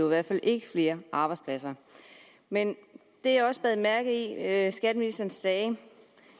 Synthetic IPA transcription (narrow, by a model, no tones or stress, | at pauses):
iʋæɐd̥fælʔe̝ɡ̥əfle̝ːɐʔɑ̈ːb̥ɑ̈ɪspʰlæsɐ | men | d̥e̝ɑɒ̽səb̥ɛːð̩ˠmæɐɡ̥̩ˠisɡ̥æd̥əminlisd̥ɐːnsːɛː